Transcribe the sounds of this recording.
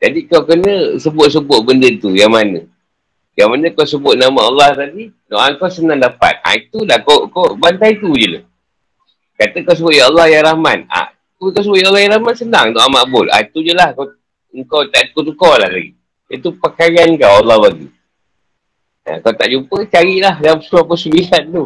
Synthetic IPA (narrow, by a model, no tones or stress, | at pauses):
d͡ʒadikawkənəsəbʊt̪̚səbʊʔ̚bəndət̪ujaŋmanə̰̃ | jaŋmanə̃kawsəbʊʔ̚namaalːɑht̪adi | do̰ʔaŋkawsənaŋdapa̰t̪̚a̰it̪ulahkowkobant̪ajit̪ud͡ʒəla̰ | kat̪əkaws̬əbʊt̪̚jaɑlːɑhjaɾahmat̪̚a̰ | k̪ukawsəbʊt̪̚jalːɑhjãɾahmat̪sənaŋt̪oʔamaʔbʊla̰it̪ud͡ʒəlahkaw | əŋkawt̪aʔdikʊt̪̚ŋkolahla̰ɡḭ | jat̪upəkajankawalːɑhbaɡḭ | a̰kawt̪aʔd͡ʒupət͡ʃaɾiʔlahdampəsuapəsəmilan̚t̪u